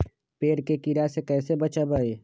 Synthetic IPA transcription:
peːɾkekiɾasekɛːsebət͡ʃabaeː

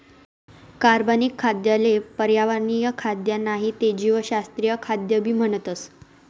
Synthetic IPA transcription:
kaɾbanikʰːad̪jalepəɾjaʋaɾnijəkʰad̪janaɦit̪ed͡ʑiʋəɕast̪ɾijəkʰad̪jəbʱiːm̤əɳət̪əs

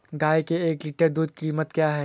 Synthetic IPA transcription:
ɡaːekeeːkliʈəɾd̪uːd̪̚kiːmət̪kjaːɦɛː

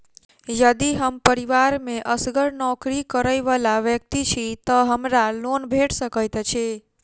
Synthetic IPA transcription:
jəd̪iɦəmpəɾiʋaɾmẽʔəsɡəɾnɔkɾikəɾəjʋəlaʋjək̚t̪it͡ʃʰit̪ɔɦəmɾalonbʱeʈsəkəjt̪t͡ʃʰe

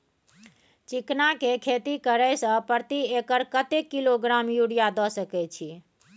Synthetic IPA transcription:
t͡ʃiknakekʰet̪ikəɾɛjsə̃pəɾt̪iekəɾkət̪ekːiloɡɾamjuɽijad̪ɔsəkɛt͡ʃʰi

